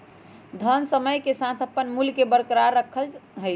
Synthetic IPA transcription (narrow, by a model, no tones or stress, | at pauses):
d̪ʱənsəməjkesãt̪ʰəpːənmulkebəɾkɾaɾːəkʰəlɦəj